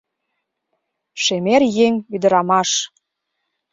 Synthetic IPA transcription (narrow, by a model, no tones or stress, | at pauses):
ʃemerjeŋyd̪ə̆ɾɑmɑʃ